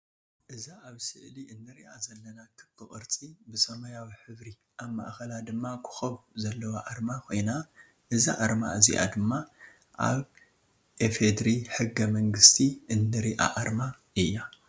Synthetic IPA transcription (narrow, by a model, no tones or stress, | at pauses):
ʔɨzaʔaβsɨʕliɨnːɨɾiʔazɐlːɐnakʰɨkʰɨχʼɨ̰ɾt͡sʼibɨsɐmɐjawiħɨβɾi | ʔaβma̰ʔxɐlad̪ɨmːakʰɨ̥xɐβzɐlːɐwaʔaɾmakʰo̞jna | ʔɨzaʔaɾma̰ɨzḭʔa̰d̪ɨmːa | ʔa̰β | ʔefed̪ɾiħɨɡːɐmɐŋɡɨst̪ʰiʔɨnːɨɾiʔa̰ʔaɾma | ɨjːa